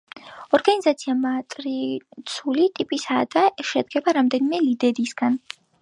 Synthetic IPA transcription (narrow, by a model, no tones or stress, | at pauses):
ɔɾɡanizat̪sʰiamat̪ʼɾit̪sʰulit̪ʼipʼisad̪aʃɛd̪ɡɛbaɾamd̪ɛnimɛlid̪ɛɾisɡ̥an